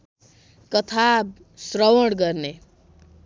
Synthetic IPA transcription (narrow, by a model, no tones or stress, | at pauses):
kʌt̪ʰab | srʌwʌɽɡʌrne